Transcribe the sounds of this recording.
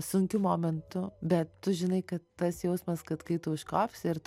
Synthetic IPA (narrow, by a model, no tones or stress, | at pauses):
sʊŋʲkʲʊmoːmʲɛnt̪ʊbʲɛt̪tʊʒʲɪnɐɪkɐt̪tɐsjɛʊsmɐskɐt̪kɐɪt̪ʊʊʃkɑːpʲsʲɪɾt̪